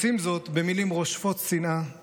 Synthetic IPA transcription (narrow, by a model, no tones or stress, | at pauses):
simzo̞t̪be̞milimʁo̞ʃfo̞t̪sina